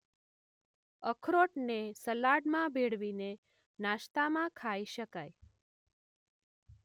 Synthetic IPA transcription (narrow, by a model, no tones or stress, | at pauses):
əkʰɾoʈnesəlaɽmãbʱeɽ̤ʋine | naʃt̪amãkʰaiʃəkaj